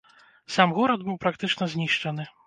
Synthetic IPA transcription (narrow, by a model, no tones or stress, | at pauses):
samɣɔɾɐd̪bɨwpɾakt̪ɨt͡ʂnɐzʲnʲiʂt͡ʂɐnɨ